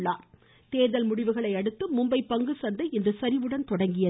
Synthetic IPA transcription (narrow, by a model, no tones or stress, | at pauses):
ɭːaːɾ | t̪eːðɐlmʊɽɪʋɯɣɐɭɐɪɐɽɯt̪ːɯmʊmbɐɪpːɐŋɡɯsɐnd̪ɐɪɛndrɯsɐɾɪʋɯɽɐnt̪ɔɽɐŋɡɪjɐ